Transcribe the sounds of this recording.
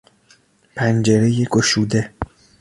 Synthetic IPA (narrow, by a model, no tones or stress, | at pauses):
pʰænd͡ʒe̞ɾejeɡoʃuːd̪e